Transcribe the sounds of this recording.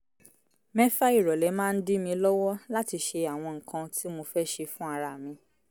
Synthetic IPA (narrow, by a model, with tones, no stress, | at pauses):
mɛ˦fa˦i˦˨ɾɔ˨lɛ˨˦mãː˦˧n̩˦di˦mĩ˧lɔ˦wɔ˦la˦ti˧ʃe˧a˨w̃ɔ̃˧ŋ̩˨kã˧tʰi˦mo˧fɛ˦ʃe˧fũ˦a˧ɾa˨mĩ˨˧